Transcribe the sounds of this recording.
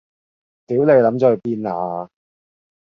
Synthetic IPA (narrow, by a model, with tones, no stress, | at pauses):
t̪iː˨˥wne˨˧jlɐ˨˥mt͡sɔː˨˧˩piː˧˥naː˨˧